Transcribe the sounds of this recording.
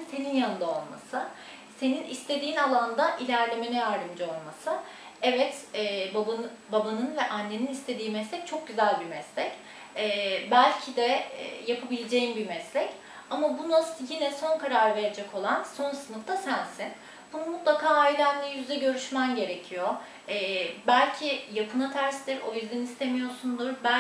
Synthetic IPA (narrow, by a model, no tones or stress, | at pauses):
nt̪ʰeninjanɯnd̪ao̞lˠma̰sɯ | se̞ninist̪ʰe̞d̪iːnalˠand̪aʔilʲæɾlʲe̞menɛjaɾd̪ɯmd͡ʒao̞lˠmasɯ | ɛvɛt̪ːba | babanɯnvɛʔanːe̞ninist̪ʰe̞d̪iːmɛslʲɛc̚t͡ʃʰo̞k̚ɟyzælʲbimɛslʲɛcː | bælʲcʰid̪ɛɛ̰japʰabilʲed͡ʒe̞jimbimɛslʲɛc | amabunasjinɛso̞nkaɾaɾve̞ɾed͡ʒɛko̞lˠanso̞nsɯnɯft̪asænsin | bunumut̪lˠakʰaːailʲænlʲɛjyzd̪ɛɟø̞ɾyʃmænɟe̞ɾe̞cʰijo̞ | ɛːbælʲcʰijapʰɯnat̪ʰæɾsd̪iɾo̞jyzd̪ænist̪ʰe̞mijo̞ɾsund̪uɾbæ